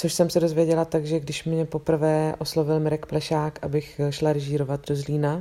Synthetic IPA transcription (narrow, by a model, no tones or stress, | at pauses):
t͡so̞ʃsɛmsɛdozvjɛɟɛlat̪aɡʒɛɡdɪʃmɲɛpo̞pr̩vɛːʔo̞slo̞vɪlmɪɾɛkplɛʃaːkʔabɪxʃlaɾɛʒiːɾovat̪do̞zliːna